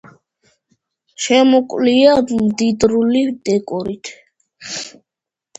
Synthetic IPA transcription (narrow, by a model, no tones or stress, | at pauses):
ʃɛmɔkʼliamd̪id̪ɾulid̪ɛkʼuɾit̪ʰ